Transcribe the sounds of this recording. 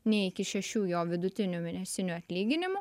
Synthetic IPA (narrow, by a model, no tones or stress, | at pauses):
nʲɛɪkʲɪʃʲɛʃʲuːjoːʋʲɪd̪ʊt̪ʲɪnʲumʲɪnʲɛsʲɪnʲuɐt̪ʲlʲiːɡʲɪnʲɪmʊ